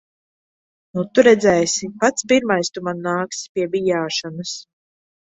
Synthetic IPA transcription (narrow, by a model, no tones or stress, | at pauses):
nut̪uɾɛd̪zɛjsipat̪spiɾmajst̪umanːaːkspʲiɛbijaːʃɔnɐs